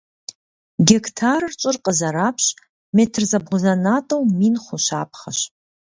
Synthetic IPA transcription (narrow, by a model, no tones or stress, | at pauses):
ɡʲektʰaːrɨrt͡ʃʼɪrqəzɐɾaːpʰɕ | meːtʰɨrzɐbʁʊzɐnaːtʼɐwmiːnχʷʊʃa̰ːp̚ʰχɐʃ